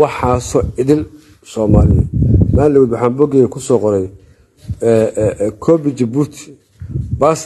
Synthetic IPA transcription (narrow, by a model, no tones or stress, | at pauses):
ɑħɑːsɔɪðɪl | sɔːmaːlɪjɔ̰maːlɛwuːd̪wħɑːmbɔɡɛːɣɐkʰʊsɔːqɔɾɛj | ɛkʰɔbɪt͡ʃɛbut̪ʰi̥ | bas